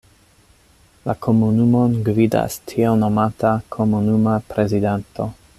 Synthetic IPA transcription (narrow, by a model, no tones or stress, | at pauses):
lakʰo̞munumonɡvida̰stʰiono̞matakʰo̞munumapɾezidanto̞